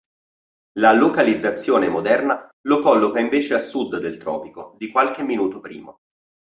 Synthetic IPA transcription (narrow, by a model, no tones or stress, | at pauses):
lalokalid̪zːat̪sːjoːnemod̪ɛrnalokɔlːokaiɱveːt͡ʃealsud̪d̪elt̪ɾɔ̰ːpikod̪ikwalk̟emːinuːt̪opɾḭːmo